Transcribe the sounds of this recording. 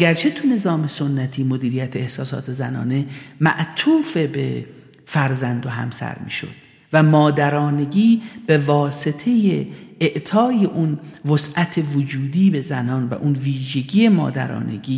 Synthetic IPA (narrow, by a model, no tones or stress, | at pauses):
æɡæɾt͡ʃʰe̞t̪ʰune̞zɒːme̞so̞nːæt̪ʰiːmo̞d̪iːɾijæt̪ʰeehsɒːsɒ̰ːt̪ʰe̞zænɒ̰ːne̞mæʔt̪ʰuːfe̞be | fæɾzænd̪o̞ɦæ̰msæ̰ɾmḭːʃo̞̰d̪̥ | væmɒːd̪æɾɒːne̞ɟiːb̥e̞vɒːse̞t̪ʰe̞jeːʔt̪ʰɒːje̞ʔunvosʔæt̪ʰe̞vod͡ʒuːd̪iːbe̞zænɒːnvæ̰ʔunviːʒe̞ɟiːje̞mɒ̰ːd̪æ̰ɾɒ̰ːnḛɡiː